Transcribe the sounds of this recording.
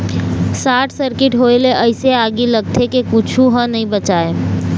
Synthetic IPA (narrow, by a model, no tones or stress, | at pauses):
saʈʰsəɾkɪʈɦojleʔəɪseaɡiləɡ̚t̪ʰekekut͡ʃʰuɦə̃nəĩbət͡ʃae